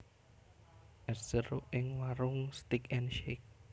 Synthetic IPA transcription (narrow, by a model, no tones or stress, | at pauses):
ʔɛrsərʔɪŋwaɾʊŋst̪ikɛnʃek̚